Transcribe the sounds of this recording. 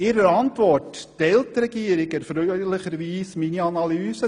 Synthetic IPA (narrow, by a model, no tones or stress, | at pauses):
iɾəɑntʋɔrtd̥ɛltrəkiəɾikərfɾœɥləχəɾviːsminiɑnɑlyːsə